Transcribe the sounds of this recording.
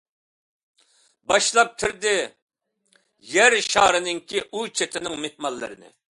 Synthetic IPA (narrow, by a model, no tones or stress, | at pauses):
bɑʃlˠɑp̚t̪ʲʰɪɾd̪ɪ | jɛɾʃɑːɾɨnɪŋkʲiʔut͡ʃʰet̪ʰɪnɪŋmeh̪mɑlˠːɨ̰ɾɨnɪ̰